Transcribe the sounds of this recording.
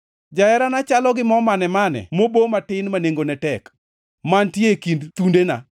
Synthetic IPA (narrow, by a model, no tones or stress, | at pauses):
d͡ʒaɛɾanat͡ʃalɔɡɪmɔmanɛmanɛ̰mobomatɪnmaneŋɡonɛtɛk | mantjekindt̪undena̰